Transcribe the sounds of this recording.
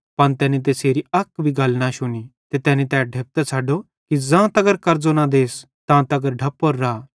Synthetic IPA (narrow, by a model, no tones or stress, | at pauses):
pɐnt̪ɛːnit̪̬eːseːɾiɐkbʱiɡʱɐlnaʃʊnit̪et̪ɛːnit̪ɛːɖʱeːp̚t̪ɛt͡sʰaːɖo | kid͡zãːt̪ɐɡəɾkɐɾd͡zonãd̪eːs | t̪ãt̪ɐɡəɾɖʱɐpːoɾːaː